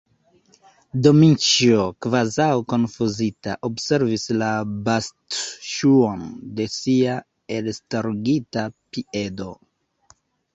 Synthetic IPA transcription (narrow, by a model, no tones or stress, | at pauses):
do̞mint͡ʃiokvazawko̞nfuzita̰ʔo̞bse̞ɾvislabastʃuo̞nde̞sia | e̞lstaɾɡitapie̞do̞